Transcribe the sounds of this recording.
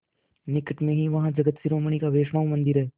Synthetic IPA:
nɪkəʈmẽɦiʋɐɦãd͡ʒɐɡət̪sɪɾoːməɳ̃ikaʋeːʃɽãːmɐ̃nd̪ɪɾɦɛː

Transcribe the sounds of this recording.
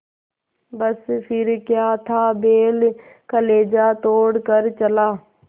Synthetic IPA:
bəspʰɪɾkjaːt̪ʰaːbeːl | kəleːd͡ʒat̪oːɽkəɾt͡ʃəlaː

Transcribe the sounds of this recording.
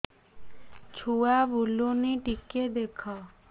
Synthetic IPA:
t͡ɕʰuabʱuloniʈiked̪ekʰa

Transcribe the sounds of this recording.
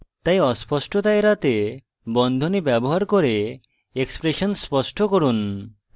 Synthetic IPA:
t̪ajɔspɔsʈʰot̪aeɾat̪e | bɔnd̪ʱonibɛboɦaɾkoɾe | ekspɾeʃonspɔsʈʰokoɾun

